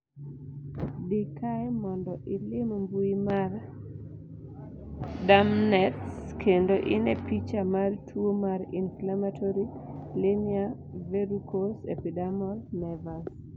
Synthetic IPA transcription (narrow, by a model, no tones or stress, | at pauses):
dikajmɔndɔʔɪlɪmmbuimar | damnɛtskʰendoʔɪnɛpit͡ʃamartʰwomaɾinflamatʰoɾilɪnɪa | veɾukosepidamɔlnɛvas